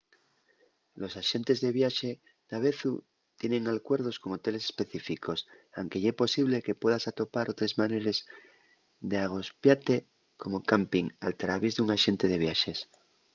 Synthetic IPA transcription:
lo̞saʃe̞nt̪e̞zðe̞βjaʃe̞ | d̪̥aβ̞e̞θu | t̪je̞nẽ̞ŋalkwe̞ɾð̞o̞sko̞ŋo̞t̪e̞le̞sespe̞θifikʰo̞s | awŋkeʝaepo̞siβ̞le̞ke̞pwe̞ðasat̪o̞paɾʔo̞t̪ɾezmaneɾe̞z | ðeaɣ̞o̞spjat̪e̞ | ko̞mo̞kampiŋa̰lt̪ɾaβezðuŋaʃe̞nt̪e̞ð̞e̞β̞jaʃe̞s

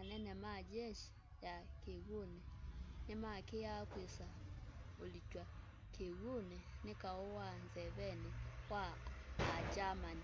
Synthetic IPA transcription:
anɛnɛmad͡ʒɛʃi̥ | jakiɣunɛnimakijakwesa | olit͡ʃwa | kʰiɣunɛnikaɔwanzɛβɛnɛwaː | d͡ʒamani

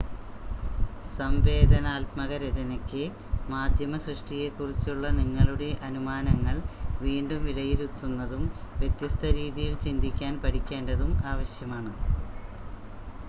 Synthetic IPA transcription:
sɐmʋe̞ːd̪ʱɐnaːlt̪mɐɣɐɾed͡ʑɐnɐkʲːɨ | maːd̪ʱjɐmɐsrɨʂʈije̞kːurit͡ɕːuɭːɐniŋːɐɭuɽe̞ʔɐnumaːnɐŋːɐɭʋiːɳɖumʋiɽɐjiɾut̪ːunːɐðumʋje̞t̪jɐst̪ʰɐɾiːðijilt͡ɕind̪ʱikʲːaːnpɐʈʰikʲːe̞ːɳɖɐðumaːʋɐɕjɐmaːɳɨ

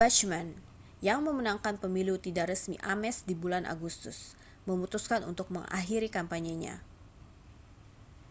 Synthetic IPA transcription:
bat͡ʃmɛn | jaŋməmənaŋkanpəmilut̪idaʔɾəsmḭʔamɛsdibulanʔa̰ɡust̪ʊs | məmut̪uskanṵnt̪ʊk̚məŋa̰ɦiɾikampaɲaɲa̰

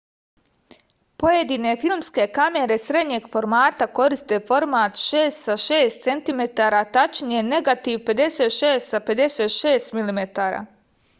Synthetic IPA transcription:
po̞je̞d̪iːne̞filˠmske̞kame̞ɾe̞sɾe̞d̪ɲe̞ːɡfo̞ɾmaːt̪ako̞ɾist̪e̞fo̞ɾmaːt̪ʃeːst̪saʃeːst̪se̞nt̪ime̞t̪aːɾaːt̪at͡ʃnijene̞ɡat̪iːʋpe̞d̪e̞se̞ːt̪ʃeːst̪sape̞d̪e̞seːt̪ʃe̞ːst̪milimet̪aːɾa̰ː

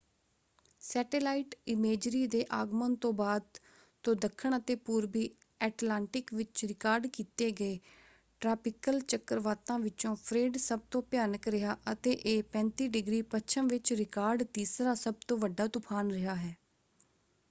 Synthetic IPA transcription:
sɛːʈeːlaːiʈɪmeːd͡ʒɾiːd̪eːʔaːɡmənt̪õːbaːd̪ | t̪õːd̪əkʰːəɳət̪eːpuːɾbiː | ɛːʈlaːɳʈɪkʋɪt͡ʃɾɪkaːɾɖkiːt̪eːɡəeː | ʈɾaːpɪkəlt͡ʃəkəɾʋaːt̪ãːʋɪt͡ʃõːpʰɾeːɖsəb̚t̪õːpjaːnəkɾɪɦaːʔət̪eːʔeːpɛ̃ːnt̪iːɖɪɡɾiːpət͡ʃʰəmʋɪt͡ʃɾɪkaːɾɖt̪iːsɾaːsəb̚t̪õːʋəɖːaːt̪ʊpʰaːnɾɪɦaːɦɛː

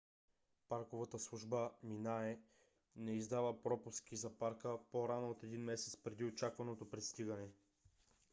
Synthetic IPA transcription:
paɾkovət̪əslˠuʒbəminaɛ | nɛizd̪avəpɾɔpusk̟izɐpaɾkəpoɾanoot̪ɛd̪inmɛsɛt̪spɾɛd̪iot͡ʃakvɐnot̪opɾɛt̪st̪iɡənɛ

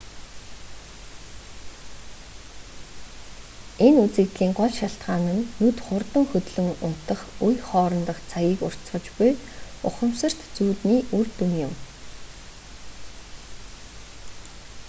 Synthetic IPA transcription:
enut͡sɘ̆kt̪ɮiːŋɢʊɮʃaɬt̪ɢaːnɘ̆nːut̪χʊrt̪ə̆ŋxɵt̪ɮɵ̆ŋʊn̥t̪ə̆χʊjχɔːɾɞ̆nt̪ə̆χt͡sʰaɣʲiːkʊ̰r̥t͡sɢə̆t͡ɕpʊjʊχə̆msə̆r̥t̪t͡suːt̪niːʔurt̪uŋjʊ̆m

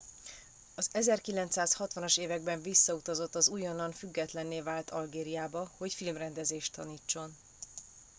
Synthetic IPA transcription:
ɒzɛzɛrkilɛnt̪saːshɒt̪ʋɒnoʃeːvɛɡ̚bɛɱvisːɒut̪ɒzo̞t̪ːɒzuːjonːɒnfyɡːɛt̪lɛnːeːvaːlt̪ɒlɡeːɾijaːbɒho̞cfilmrɛnd̪ɛzeːʃt̪ːɒniːt͡ʃːo̞n

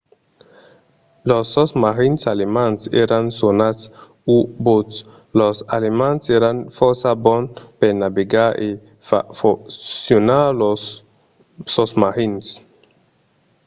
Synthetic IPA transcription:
lɔsːɔsmahinsalimansɛɾansonas | ubot̪s | lɔsalimanseɾanfɔsabɔnpɛnabeɡaʔe | fa̰fɔːjunalɔs | ɔsmahins

